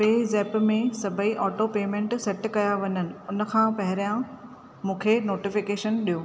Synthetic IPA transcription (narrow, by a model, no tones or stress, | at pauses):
peːzɛːpmẽsɐbʱəiʔɔːʈopeːmẽːɳʈsɛʈkɐjaʋɐɲənɪ̆ʊnə̆kʰãpɐɦɪɾijã | mũːkʰenoːʈɪfɪkeːʃənɗijoː